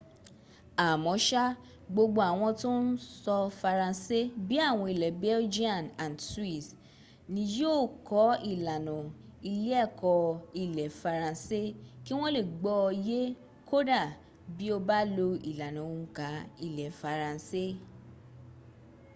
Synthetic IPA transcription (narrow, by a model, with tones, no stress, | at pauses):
a˨mɔ̃˨˦ʃa˦ | ɡ͡bo˧ɡ͡bo˧˦a˨w̃ɔ̃˧to˦n̩˦sɔ˧fa˧ɾã˧se˦bi˦a˦˨w̃ɔ̃˧i˨lɛ˨bɛ˦ld͡ʒi˦a˨nã˨nswi˦˨s | nĩ˧jo˦˨kɔ˨˦i˦˨la˨nɔ̃˨i˧le˦ɛ˦˨kɔ˧i˦˨lɛ˨fa˧ɾã˧se˦ki˦w̃ɔ̃˦le˦˨ɡ͡bɔ˧je˦ | kʰo˦da˦˨ | bi˦o˧ba˦lo˧i˨la˨nã˨o˨˧˨ka˨˦i˦˨lɛ˨fa˧ɾã˧se˦